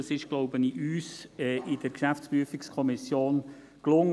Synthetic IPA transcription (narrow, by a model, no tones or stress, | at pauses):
ɑsɪʃɡ̥loʊbəniʔyːsɛʔɪd̥əɾkʃæft͡spryəfikskʰɔmɪsjoːn | klʊŋ